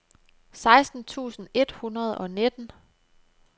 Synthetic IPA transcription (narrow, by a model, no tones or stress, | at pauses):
sɑ̈ɪsd̥n̩t͡sʰṵːsn̩e̝d̥hunɐð̞̩ˠɒ̽ne̝d̥n̩